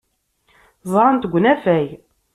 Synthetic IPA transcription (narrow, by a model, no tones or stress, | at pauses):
zˤɑɾˤənt̪əɡʷːnæfæj